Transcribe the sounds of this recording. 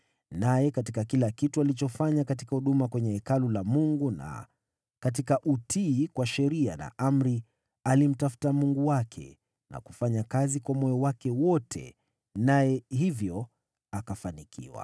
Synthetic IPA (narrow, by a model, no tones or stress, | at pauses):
najɛkatikakilakitualit͡ʃɔfaɲakat̬ikahuɗumakwɛɲɛɛkalulamuŋɡuna̰ | kat̬ikaʔutʰiːkwaʃɛɾiana̰ʔam̩ɾi | alim̩tafu̥tamuŋɡuwakʰɛ̰ | na̰ku̥faɲakazikwamɔjɔwakɛwɔtʰɛ̰ | najɛɦivjɔ | akafanikʰḭwa̰